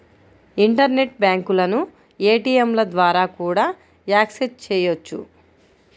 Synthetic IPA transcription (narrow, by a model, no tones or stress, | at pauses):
iɳʈɐɾne̞ʈ̚bjaːŋkulɐnu | eːʈiːjemlɐd̪ʋaːɾaːkuːɽaː | jaːksest͡ʃɛːjot͡ʃːṵ